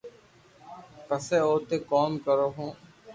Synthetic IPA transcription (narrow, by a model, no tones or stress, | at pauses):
pəseːoːt̪eːkɔːmkəɾoːɦõː